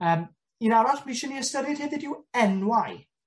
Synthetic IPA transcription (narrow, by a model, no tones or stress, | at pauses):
əːm | inaɾasmiʃɛniəstəɾɨd̥heðɪdɪwɛnwaj